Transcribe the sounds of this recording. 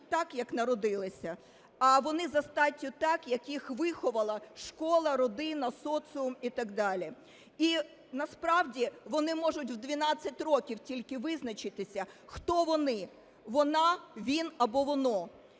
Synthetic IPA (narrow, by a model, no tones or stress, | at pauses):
t̪ɑkjɐknɐɾɔd̪ɪlˠɪsʲɐ | ɐʋɔnɪzɐst̪ɑtʲːʊt̪ɑkjɐkjixʋɪxɔʋɐlˠɐʃkɔlˠɐɾɔd̪ɪnɐsɔt̪sɨʊmit̪ɐɡd̪ɑlʲi | i | nɐspɾɑwdʲiʋɔnɪmɔʒʊtʲwd̪ʲʋʲinɑt͡sʲːɐt̚ʲrɔkʲiwtʲilʲkɪʋɪznɐt͡ʃɪt̪ɪsʲɐxt̪ɔʋɔnɪ | ʋɔnɑʋʲinɐbɔʋɔnɔ